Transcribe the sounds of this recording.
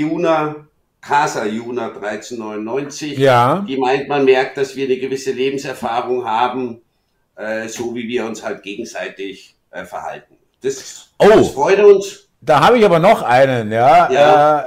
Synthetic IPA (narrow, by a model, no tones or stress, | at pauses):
juːna | kʰaːzajuːnad̥ʁaɪt͡senːɔʏnʊnːɔʏnt͡sɪçjaːd̥iːmaɪntmanmɛɐk̚t̚d̥asv̥iːɐnəɡəvɪsəleːbm̩sɛɐfaːʁʊŋɦaːbm̩ | ʔɛːzoːviːviːɐʊnshalt̚ɡ̥eːɡŋ̩zaɪtɪç | ʔɛːfɛɐha̰lt̚n̩ | d̥asʔoːsffʁ̥ɔʏɾəʊns | d̥aːɦaːbəɪçaːbɐnɔχʔaɪnənjaːjaɛː